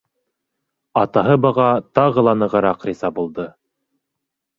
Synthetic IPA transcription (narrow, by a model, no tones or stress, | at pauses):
ɑt̪ɑɦɤbɑʁɑt̪ɑʁɤ̆lˠɑnɤ̆ʁɤ̆ɾɑqrizɑbulˠd̪ɤ